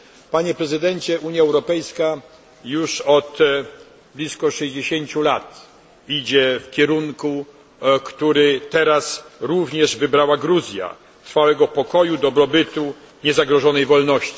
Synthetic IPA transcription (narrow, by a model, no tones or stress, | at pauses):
paɲɛpɾɛzɘd̪ɛɲt͡ɕɛʔuɲjaɛwɾɔpɛjska | juʂɔt̪ | blʲiskɔʂɛʑd͡ʑeɕeɲt͡ɕulat̪ | id͡ʑɛfkʲɛɾuŋku | kt̪uɾɘt̪ɛɾasɾuvɲɛʐvɘbɾawaɡɾuzʲja̰ | t̪ɾfawɛɡɔpɔkɔjud̪ɔbɾɔbɘt̪u | ɲɛzaɡɾɔʐɔnɛjvɔlnɔɕt͡ɕi̥